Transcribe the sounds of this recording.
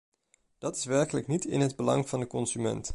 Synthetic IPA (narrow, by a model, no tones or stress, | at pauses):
d̥ɑtɪ̥sʋɛɹkələknitɪ̰nɦədbəlɑ̰ŋv̥ɑndəkɔnzymɛ̰nt